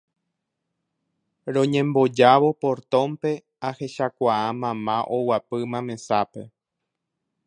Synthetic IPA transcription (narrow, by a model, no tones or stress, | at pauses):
ɾõ̞ɲẽ̞mbo̞d͡ʒaβo̞poɾt̪õmpe̞ | ahe̞ʃakʷaãmãmãʔowapɨmãmẽ̞sape̞